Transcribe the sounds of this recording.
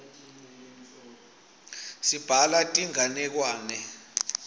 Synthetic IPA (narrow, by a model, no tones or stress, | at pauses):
sib̥ʱalatʼiŋanɛk̬waːnɛ